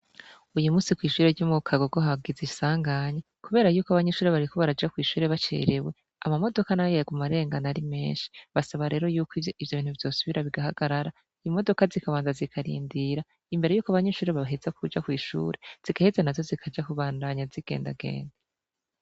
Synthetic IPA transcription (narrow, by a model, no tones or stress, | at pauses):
ujumuːsikwiːʃuːɾeɾɟuːmukʰaɡoɡoɦaɡizisaːŋɡaɲe | kuβe̞ːɾajuːkoaβaɲeʃuːɾeβaɾiko̞βaɾad͡ʒakwiːʃuːɾe̞βat͡ʃḛːɾewe | amamo̞do̞kanajeɡumaɾe̞ːŋɡanaɾime̞̰ːnʃi̥βasaβaɾe̞ːɾo̞juːkiivjoβiːnhuvo̞ːsuβiɾaβiɡahaɡ̥aɾaɾa | imo̞do̞kazikaβaːnzazikʰaɾḭːndiɾa | imbe̞ɾe̞juːkaβaɲeʃuːɾeβaβɦezakud͡ʒakwiːʃṵːɾe̞z̥iɡahezanazo̞zikʰad͡ʒakuβaːndaɲaziɡ̥e̞̰ːnda̰ɡḛːnda